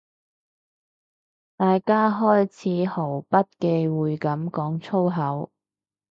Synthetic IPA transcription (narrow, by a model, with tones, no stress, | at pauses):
t̪aː˨jkaː˥ɦɔː˥jt͡sʰiː˨˥ho˨˩wpɐ˥t̚ke˧jwuː˨˧jkɐ˨˥mkɔː˨˥ŋt͡sʰo˥wɦɐ˨˥w